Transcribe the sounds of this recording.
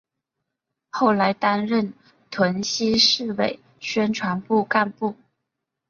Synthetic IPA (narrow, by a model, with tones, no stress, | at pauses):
xo˥˩ʊla˧˥ɪt̪a˥nɻə˥˩n | t̪ʰwə˧˥nɕi˥ʂɻ̩˥˩we˨˩ɪ | ɕɥɛ˥nʈ͡ʂʰwa˧˥npu˥˧ka˥˧npu˥˩